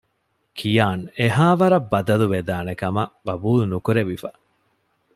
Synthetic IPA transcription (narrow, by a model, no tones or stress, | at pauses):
kʰijaːneɦaːʋɐɾɐbːɐd̪ɐluʋed̪aːnekɐmɐʋɐbuːlunukuɾeʋifɐ